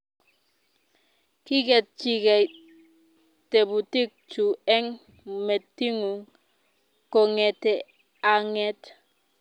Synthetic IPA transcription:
ki˦ɡe˨t̚t͡ʃi˨ɡe˨j | te˨bu˨ti˦k̚t͡ʃu˨e˦ŋ | me˨tːi˦ŋu˨ŋ | ko˨ŋe˨te | aŋe˦t

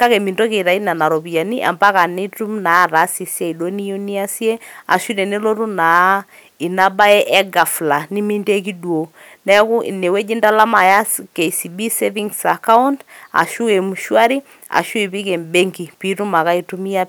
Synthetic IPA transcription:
ka˦kɛ˨mi˨ndo˦ke˨ɾa˨i˦na˨na˨ɾo˨pi˨a˨ni˦ʔa̰˨mba˦ka˨ni˦tu˦mna˨˦˨ɾa˨˦si˨sje˦˨i˨do˦ni˦o˦ni˦a˦si˦e˦a̰˨ʃu˦ne˨ne˦lo˦ɾu˦na˨˦ | i˨na˦ba˦ɛ˦ʔɛ˦ɡa˨fla˨ni˦mi˦nde˦ki˦du˨o˨ | nɛ˦ku˦ʔḭ˨ne˨we˦d͡ʒi˦nda˦la˦ma˨ja˦ske˨si˨bi˦se˦vi˦ŋsa˨ka˦u˦nda̰˨ʃu˦e˨mu˨ʃu˦a˦ɾi˦ | a̰˨ʃu˦i˨pi˦ke˨mbe˦ŋɡi˨pi˨˦ɾu˦ma˨ka˦i˦˨tu˦mi˦a˦

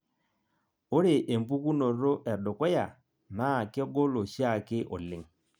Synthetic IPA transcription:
o˦ɾɪ˨ʔe˨m˦bu˦ku˦no˨ɾo˦ʔɛ˨ɗo˨kwɛ˦ja˨ | na˦˨kɪ˦ɡo˦lo˨ʃi˦a˦˨kɪ˦ʔo˨lɪ˨ŋ

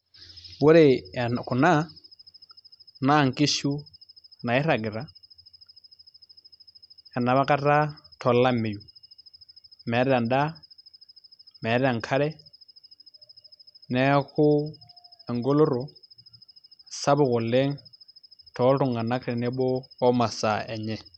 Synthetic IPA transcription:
bʊ˦ɾe˦˨kʊ˨na˦ | na˦˨ŋ̩˨ki˦ʃu˦na˨ɪ˦ɾa˨ɡɪ˨ɾa˨˦ | ja˨na˨βa˦ka˦ta˦tʰɔ˨la˦me˨ju˨ | mɛ˨˦ɾɛ˦a˨nda˦ | mɛ˨˦ɾɛ˦a˨ŋ̩˨kʰa˦ɾɛ˦ | nɛ˦kʊ˦ | ɛ˨ŋɡo˦lo˦ɾɔ˨ | sa˦βʊ˨ɣɔ˨le˦ŋ | tʰɔ˦ʊ˦ŋa˨na˦kɾɛ˨nɛ˦bɔː˦ma˨sa˨ɛ˨ɲɛ˦˨

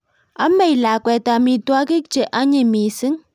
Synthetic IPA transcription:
a˦me˨jla˨kʷɛ˨ta˨mi˨twa˦ki˦k̚t͡ʃe˨ʔa˦ɲi˨mi˨si˦ŋ

